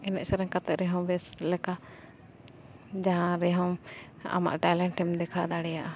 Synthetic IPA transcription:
ɛnɛ̰ʔsɛɾɛ̃ŋkat̪ɛʔɾɛɦɔ̃w̃bɛslɛka | d͡ʒaɦãɾɛɦɔ̃w | a̰ma̰ʔʈajlɛɳʈɛmd̪ɛkʰad̪aɽɛjaʔa

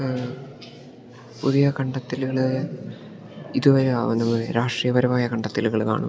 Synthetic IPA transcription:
puðijɐkɐɳɖɐt̪ːilɣɐɭ | iðuʋɐɾḛnɐmːɐɾaːʂʈrijɐʋɐɾɐmaːjɐkɐɳɖɐt̪ːiluɣɐɭka̰ːɳṵ

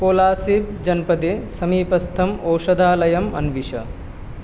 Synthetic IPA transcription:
koːlaːsib̚d͡ʒɐnpɐd̪esɐmiːpɐst̪ʰɐmoːʂɐd̪ʱaːlɐjɐmɐ̰nʋiʃɐ̰

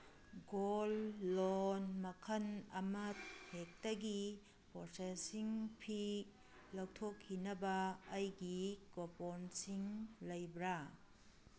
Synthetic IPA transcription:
ɡolːonmɐkʰɐnɐmɐt̚hek̚tɐɡi | poɾsesiŋpʰi | lawtʰokʰːinɐbɐːjɡikoponsiŋlɐjbɾa

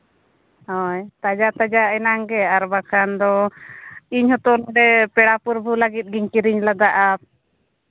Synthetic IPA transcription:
hɔjt̪ad͡ʒat̪ad͡ʒaɛnaŋɡɛaɾbakʰand̪ɔ | iɲhɔt̪ɔlɔɖɛpɛɽapuɾbʱulaɡit̪̚ˀɡiɲkiɾiɲlad̪aʔap̚

